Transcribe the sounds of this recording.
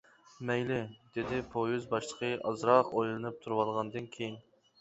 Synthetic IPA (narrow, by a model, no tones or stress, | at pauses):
mɛjlɪd̪ed̪ɪpʰojyzbɑʃlˠə̥qʰəʔɑzɾɑqojlˠɨnɨp̚t̪ʰuɾwɑlˠʁɑnd̪ɨnkʲʰejin